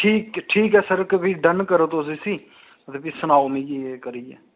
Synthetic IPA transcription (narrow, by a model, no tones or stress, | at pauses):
ʈʰiːkʈʰiːkɛːsəɾkəbiːɖənkəɾət̪oːsiːsiː | ət̪eːpiːsənaːomĩeːkəɾiːɛː